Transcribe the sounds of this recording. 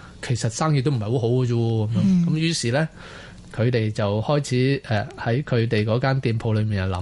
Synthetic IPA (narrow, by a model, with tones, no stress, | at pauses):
kʰe˨˩jsɐ˨t̚saː˥ŋjyː˧t̪ːm̩˨˩˨ɐ˨jho˨˧˥ɦo˨˥wkɐ˧t͡ʃuː˧kɐ˨˦mjœː˧˥ŋkɐ˨˥mjyː˨˥siː˨lɛː˥ | kʰɵ˨˧t̪e˨jt͡sɐ˨whɔː˥jt͡sʰiː˨˥ɛː˨hɐ˨˥jkʰɵ˨˧ɥt̪e˨jkɔː˨˥kaː˥nt̪iː˨˧npʰo˧wlɵ˨˧ɥmiː˨˩nɐ˨˩lɐ˨˦